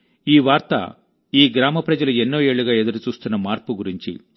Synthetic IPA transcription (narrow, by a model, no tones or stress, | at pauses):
iːʋaːɾt̪ɐ̰ | iːɡɾaːmɐpɾɐd͡ʒɐluenːoːje̞ːɭːuɡaːe̞d̪uɾut͡ʃuːst̪unːɐmaːɾpuɡuɾiɲt͡ʃḭ